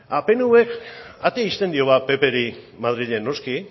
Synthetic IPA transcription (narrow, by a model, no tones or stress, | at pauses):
ape̞nuwekat̪eaist̪e̞nd̪io̞βape̞pe̞ɾi | maðɾiʎenːo̞ski